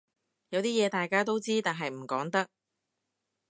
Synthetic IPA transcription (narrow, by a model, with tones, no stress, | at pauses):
jɐ˨˧wt̪iː˥jɛː˨˧t̪aː˨jkaː˥t̪o˥wt͡siː˥t̪aː˨nɦɐ˨jm̩˨˩kɔː˨˥ŋt̪ɐ˥k̚